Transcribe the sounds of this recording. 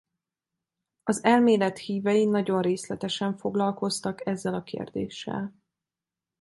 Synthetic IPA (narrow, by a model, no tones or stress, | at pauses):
ɒzɛlmeːlɛt̪hiːvɛjinɒɟo̞nreːslɛt̪ɛʃɛɱfo̞ɡlɒlko̞st̪ɒkɛzːɛlɒkḛːrd̪ḛːʃːɛ̰l